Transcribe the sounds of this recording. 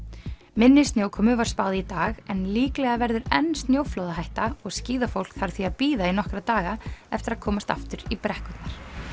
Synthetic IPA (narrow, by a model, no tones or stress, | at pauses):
mɪnːɪst̪njoːwkʰɔmʏvaɾ̥spaːwðɪit̪aːɣɛnliːklɛɣavɛɾðʏɾɛnːst̪njowflowðaɦajht̪aɔɣsciːðafowl̥kθaɾ̥θviaðpiːðainɔhkɾat̪aːɣaɛft̪ɪɾaðkʰɔːmast̪a̰ft̪ʏɾipɾɛhkʏt̪naɾ̥